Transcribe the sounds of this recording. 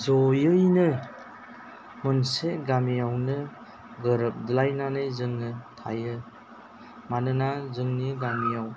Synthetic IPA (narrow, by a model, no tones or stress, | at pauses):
zɔjɯjnɯ | mɯnseɡamijawnɯ | ɡɯɾɯp̚dilajnanɯjzɯŋnɯtʰa̰jɯ | manɯnazɯŋniɡamijaw